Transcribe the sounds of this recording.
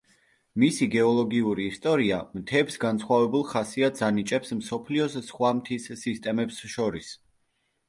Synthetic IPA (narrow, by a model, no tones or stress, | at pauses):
misiɡɛɔlˠɔɡiuɾiːst̪ʼɔɾiamt̪ʰɛbsɡansχwavɛbulˠχasiad̪zanit͡ʃʼɛpsmsɔpʰliɔssχwamt̪ʰisːist̪ʼɛmɛpsʃɔɾis